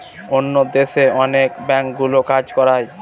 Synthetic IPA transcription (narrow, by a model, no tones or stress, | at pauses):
onːod̪eʃeɔnekbɛŋk̚ɡulokad͡ʑkɔɾaj